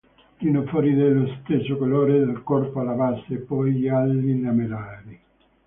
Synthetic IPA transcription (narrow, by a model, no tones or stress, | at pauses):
t̪inofɔɾid̪elːost̪esːokoloːɾed̪elkɔrpoalavasːepːɔjʎialːilamelaːɾi